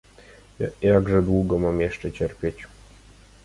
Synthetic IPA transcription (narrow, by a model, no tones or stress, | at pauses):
jjaɡʐɛd̪wuɡomamjɛʂt͡ʃɛt͡ɕɛrpʲjet͡ɕ